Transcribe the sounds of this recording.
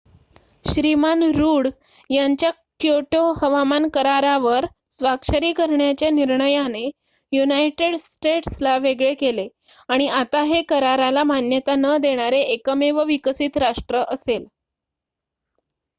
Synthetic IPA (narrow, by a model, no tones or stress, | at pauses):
ɕɾimanɾuːɽ | jaɲt͡ɕja | kjoʈoɦəʋamankəɾaɾaʋəɾ | sʋakʂəɾiːkəɾɳjat͡ɕjaniɾɳəjane | junajʈeɽsʈeʈslaʋeɡɭekele | aɽ̃iat̪aɦekəɾaɾalamanjət̪anəd̪eɽ̃aɾeːkəmeʋəʋikəsiːt̪ɾaʂʈɾəʔəsel